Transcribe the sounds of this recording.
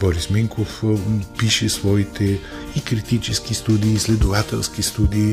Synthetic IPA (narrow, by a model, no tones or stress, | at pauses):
bɔɾismiŋkofpiʃɛsvɔit̪ʰɛ | ikɾit̪it͡ʃɛskist̪ud̪iːslɛd̪ovat̪ɛlˠskist̪ud̪iː